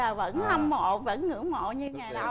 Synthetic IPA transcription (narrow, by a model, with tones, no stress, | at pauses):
əː˨˩və̰˧˥nha˧wŋ͡mmo̰˧˨və̰˧˥nŋɨ̰˧˥mo̰˧˨ɲɨ˧ŋaː˨˩j